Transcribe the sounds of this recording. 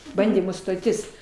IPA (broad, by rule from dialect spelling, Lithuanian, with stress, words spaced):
ˈbɐnʲdʲiːmuː stoːˈtʲɪs